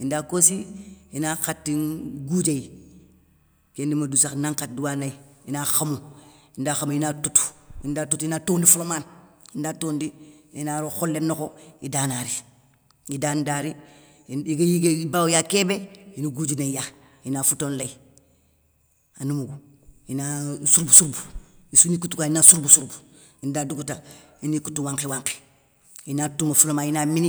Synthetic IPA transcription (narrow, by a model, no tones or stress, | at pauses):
indaːkosiinaxatːinɡuːd͡ʒai | kendimadusaknaŋkat̚duwanaiinaːxamuindaːxamujinatutu̥ḭndaːtutinatoːndifulomaːnindaːtoːndiinaːɾoxolːenːokoidaːnaɾi | idaːndaːɾi | iɡajiɡeibaːwjakeːbejinuɡud͡ʒineja | jinaːfutoːnlai | anumuɡu | jinasuɾbusuɾbu̥isunikutukajinasuɾbusuɾbu̥ | indaduɡutainikutuwaːŋkewaŋke̥ | jinaːtumafulomaːnjinaːmini